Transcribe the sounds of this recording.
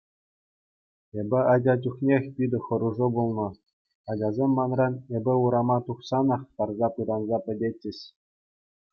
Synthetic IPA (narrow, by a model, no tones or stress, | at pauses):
ebʲɘ̆ɑdʲɑd͡ʑʲuχnʲexʲpʲid̪ʲɘ̆χɤ̆ɾuʐɤbulˠnɤ̆ | ɑdʲɑzʲemːɑnrɑnebʲɘ̆uɾɑmɑt̪uχsɑnɑχt̪ɑrzɑpɯd̪ɑnzɑpʲɘ̆dʲet͡ɕʲːɘ̆ɕʲ